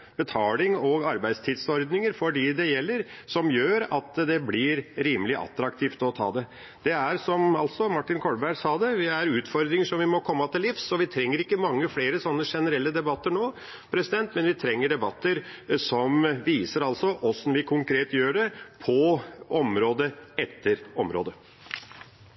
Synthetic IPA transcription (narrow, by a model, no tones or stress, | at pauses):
b̥ɛt̪ʰɑːlɪŋɔɡɑɾbæɪd̪st̪ʰiːd̪sɔɾd̪nɪŋəɾfɔɖiːd̪ɛjɛlːəɾsɔmjøːɾɑt̪d̪ɛblɪɾɾiːməlɪʔɑ̰t̪ɾɑkt̪ʰiːft̪ɔt̪ʰɑ̰ːd̪ɛ | d̪̥ɛæɾsɔmɑlt̪sɔmɑʈːɪnkʰɔlbæɖsɑːd̪ɛʋɪæɾʉːt̪fɔɾd̪ɾɪŋəʂɔmʋɪmɔkʰɔmːət̪ɪlɪfsɔʋɪt̪ʰɾɛŋːəɾɪkːəmɑŋːəfleːɾəsɔnːəʂɛnəɾɛlːəd̪ɛbɑt̪ːəɳoː | pʰɾɛsɪd̪ɛnt̪mɛnʋɪt̪ʰɾɛŋːəɖɛbɑt̪ːəɾsɔmʋiːsəɾɑlsɔʔɔsnʋɪkʰʊŋkɾeːt̪jøːɖɛpʰɔʔɔmɾoːd̪əɛt̪ʰːəɾɔmɾo̰ːd̪ə